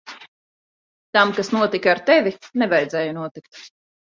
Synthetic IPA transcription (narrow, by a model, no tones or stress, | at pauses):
t̪amkasnuɔt̪ikaɾt̪ɛvʲinɛvajd̪zɛːjunuɔt̪ik̚t̪